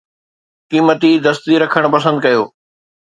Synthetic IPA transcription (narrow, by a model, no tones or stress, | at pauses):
kiːmət̪id̪ɐst̪iɾɐkʰəɽ̃pɐs̬ə̃nd̪̚kɐjoː